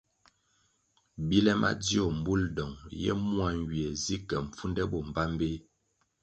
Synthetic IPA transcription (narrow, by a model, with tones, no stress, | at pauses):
bi˦lɛ˦mʔa̰˦di˦ɔ˨m̩˨bu˦ldɔ˨ŋjɛ̰˦mu˦a˦˨ŋ˨ɡi˨ɛ˨zi˦kɛ˨ɱ̩˨p͡fu˦ndɛ˦bɔ˨m̩˨ba˦m˦be˦